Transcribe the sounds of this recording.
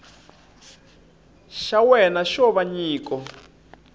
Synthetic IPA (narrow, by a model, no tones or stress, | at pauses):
ʃawɛnaʃɔβaɲiːkɔ